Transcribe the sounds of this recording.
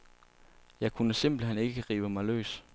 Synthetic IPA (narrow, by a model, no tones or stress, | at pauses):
jɑ̈ɪkʰunəsem̰b̥l̩ɦen̰e̝ɡ̥ə̥ʁḭːb̥əmɑ̈ɪlø̰ːs